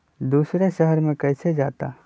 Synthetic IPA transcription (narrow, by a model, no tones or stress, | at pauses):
d̪uːsɾeʃəɦəɾmẽkɛːsed͡ʒaːt̪aː